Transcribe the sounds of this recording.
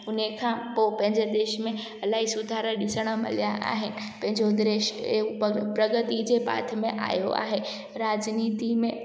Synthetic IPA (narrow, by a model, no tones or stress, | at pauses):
ʊnəkʰãpopɐ̃ɦɪ̃ɲd͡ʑed̪eːʃmẽ | ɐlaːɦisʊd̪ʱaːɾəɗɪsəɽ̃ə̆mɐ̰lijaʔa̰ːɦɪnɪ̆ | pɐ̃ɦɪ̃ɲd͡ʑod̪eːʃ | pɾɐɡət̪id͡ʑeːpa̰ːt̪ʰə̆mẽʔa̰ːjo̰a̰ːɦe | ɾaːd͡ʑniːt̪imẽ